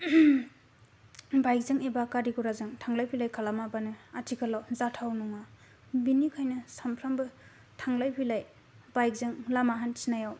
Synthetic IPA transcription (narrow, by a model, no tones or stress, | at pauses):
bajk̚zɯŋebakaɾiɡuɾazɯŋtʰaŋlajpʰilajkʰalamabanɯatʰikʰalawzatʰawnɔŋa | binikʰajnɯsampʰɾambɯ | tʰaŋlajpʰilaj | bajk̚zɯŋlamaɦansinajaw